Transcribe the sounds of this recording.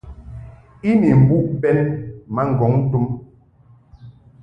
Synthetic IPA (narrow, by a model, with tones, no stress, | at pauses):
i˦mi˨m̩˨bu˦ʔbɛ˦nɛ˦ma˦ŋ̩˨ɡɔ˨˦ŋn̩˦tu˦m